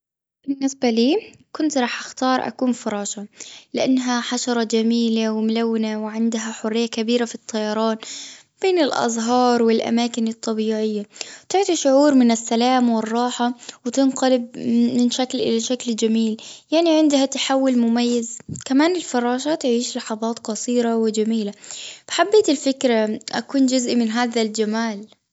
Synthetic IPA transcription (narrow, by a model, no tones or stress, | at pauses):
b̥ɪnːɪsbaliː | kʊnt̪ɾˤɑːħʔaxt̪ɑːɾˤʔa̰kuːnfɑɾˤɑːʃɑlɪʔanːɦaħaʃɑɾˤɑd͡ʒamiːlawɪmʊlawːɪnawɪʕɪnd̪ɦaħʊrːɪjːakabiːɾafit̪ˤʰːɑjɑɾˤɑːn | b̥eːnɪlʔɑ̰zˤɦɑːɾˤwɪlʔa̰maːkɪnɨt̪ˤːɑbiːʕɪjːat̪ɪʕt̪iʃʊʕuːɾmɪnɪsːalaːmwɪrˤːɑːħawɪt̪ɪnqɑlɪb̚mɪnʃaklʔɪ̰laʃakld͡ʒamiːljaʕniʕɪnd̪hat̪aħawːʊlmʊmajːɪzkamaːnɪlfɑɾˤɑːʃaːt̪aʕiːʃlɑħɑðˤɑːt̪qɑsˤiːɾawɪd͡ʒamiːlab̥ħabːeːt̪ɪlfɪkɾaʔa̰kuːnd͡ʒʊzʔmɪnɦaːðald͡ʒamaːl